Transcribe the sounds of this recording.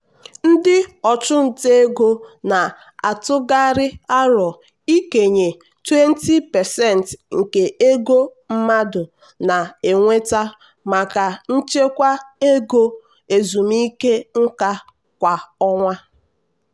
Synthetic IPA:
n̩˦dɪ˦ɔ˨t͡ʃʊ˦n̩˨te˦ɡo˦na˨ | a˨tʊ˦ɡa˦ɾɪ˦a˦ɾɔ˨ | i˦ke˨ɲe˨ | twe˦n˦ti˦pɛ˨sɛ˦˨n˨tŋ̩˨ke˨ʔe˦ɡo˦ | m̩˦ma˦dʊ˨ | na˨e˨ŋʷe˦ta˦ | ma˨ka˨n̩˦t͡ʃe˦kʷa˦e˦ɡo˦ | e˨zu˨mi˦ke˦ŋ̩˦ka˦ | kʷa˨ɔ˦ŋʷa˦

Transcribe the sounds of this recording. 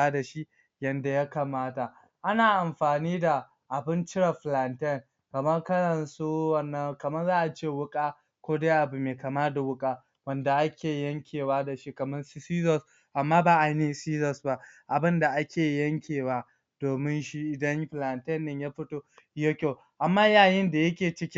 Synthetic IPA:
aː˦da˨ʃi˦ | jɐ˨nda˨ja˦kaː˨maː˦ta˨ | ʔa˦naː˨ʔa˨mɸaː˨niː˦da˨ | ʔa˨bɪ˦nt͡ʃɪ˦ɽɐ˨ɸla˨ntɛ˦˨n | kɐ˨mɐ˦rkɐ˦ɽɐ˨nsu˦wɐ˦nːɐ˦ŋkɐ˨mɐ˦nzaː˦ʔa˨t͡ʃeː˦˨wʊ˦kʼaː˦ | kʷoː˦daː˦ʔa˨bu˨meː˨kaː˨maː˦da˨wʊ˦kʼaː˦ | wɐ˦nda˨ʔa˦kʲʰeː˨jɐ˦ŋkʲʰeː˨waː˦da˨ʃi˦kɐ˨mɐ˦nssiː˦zɔ˦˨s | ʔa˨mːaː˦baː˨ʔa˨ne˦siː˦zɔ˨sba˦ʔa˨bɪ˦nda˨ʔa˦kʲeː˨jɐ˦ŋkʲʰeː˨waː˦ | d̥oː˨mɪ˦nʃi˦ʔɪ˨dɐ˦ɲɸla˨ntɛ˦nːɪ˨ɲjaː˦ɸɪ˦toː˦jo˦kʲoː˦ | ʔa˨mːaː˦jaː˦˨jɪ˦nda˨jɐ˦kʲeː˨t͡ʃɪ˦kʲɪ˦

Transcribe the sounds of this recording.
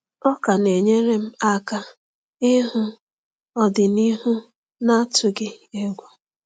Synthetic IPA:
ɔ˦ka˨ne˨ɲe˦ɾe˦m̩˦a˦ka˦ | ɪ˦ɦʊ˦ | ɔ˦dɪ˨ni˦ɦʊ˦ | na˦tʊ˨ɡɪ˦e˦ɡʷʊ˦

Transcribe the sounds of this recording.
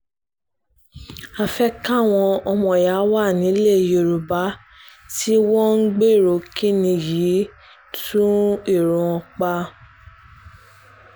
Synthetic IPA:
a˧fɛ˦ka˦˨w̃ɔ̃˧ɔ˧mɔ̃˨ja˨˦wa˦˨nĩ˨˦le˦˨jo˨ɾu˨ba˨˦ | ti˦wɔ̃˦ŋ̩˦ɡ͡be˦˨ɾo˨ki˦nĩ˧ji˨˦ | tũ˦i˦˨ɾũ˨ɔ̃˧k͡pa˧˦

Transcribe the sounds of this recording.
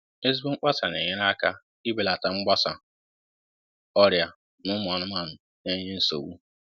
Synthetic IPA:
e˦z̬i˦bu˦ŋ͡m̩˦k͡pa˦sa˨nḛ˨ɲe˦ɾa˦ka˦ | i˦be˨la˨ta˨ŋ͡m̩˦ɡ͡ba˦sa̰˨ | ɔ˦ɾja˨ | nʊ˦m˨ɔ˨nʊ˦ma˨nʊ˨ | ne˦ɲe˦n̩˦so̰˨wu˦

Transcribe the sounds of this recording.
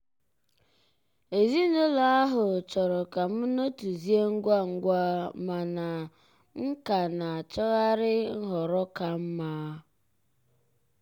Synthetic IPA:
e˨zi˦no˦la˨a˦ɦʊ˨t͡ʃɔ˨ɾɔ˨ka˨m̩˦no˦tu˨zi˦e˦ŋ̩˦ɡʷa˦ŋ̩˨ɡʷa˦ma˨na˨ | ŋ̩˦ka˨na˨a˨t͡ʃɔ˦ɣa˦ɾɪ˦ɦɔ˨ɾɔ˦ka˨m̩˦maː˦

